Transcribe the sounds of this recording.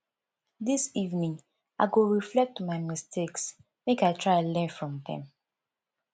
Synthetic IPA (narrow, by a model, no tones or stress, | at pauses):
disivnĩŋ | aɪɡoɹiflɛk̚tumaɪmistʰeks | mekaɪtʰɹaɪalɛ̃nfɹɔ̃mðɛ̰̃m